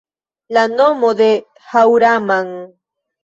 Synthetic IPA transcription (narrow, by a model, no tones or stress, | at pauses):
lanomod̪e | hawɾamaŋ